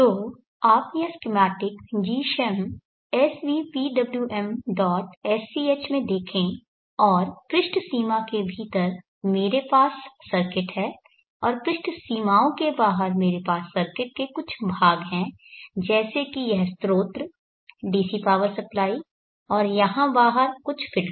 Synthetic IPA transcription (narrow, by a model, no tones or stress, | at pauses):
t̪oː | aːpjɛɦɛskɪmɛːʈɪkd͡ʒiːʃɛm | ɛsʋiːpiːɖɐbljuʔɛmɖɔːʈɛsiːeːt͡ʃmẽd̪eːkʰẽ | ɔːɾpɾɪʃʈʰsiːmakebʱiːt̪əɾ | meːɾepaːsːɐɾkɪʈɦɛː | ɔːɾpɾɪʃʈʰsiːmaːõkebaːɦəɾmeːɾepaːsːɐɾkɪʈ̚kekʊt͡ʃʰbʱaːɡɦɛ̃ | d͡ʒɛːsekijɛɦst̪ɾoːt̪ɾ | ɖiːsipaːʋəɾsɐplaːi | ɔːɾjɐɦãbaːɦəɾkʊt͡ʃʰfʰɪl